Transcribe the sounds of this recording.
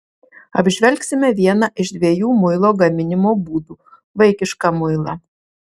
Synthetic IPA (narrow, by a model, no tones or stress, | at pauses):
ɐbʲʒʲʋʲɛlʲksʲɪmʲɛʋʲiɛnɐʔɪʃd̪ʲʋʲiɛjuːmʊɪlˠoːɡɐmʲɪnʲɪmoːbuːd̪uː | ʋɐɪkʲɪʃkɐmʊɪlˠɐ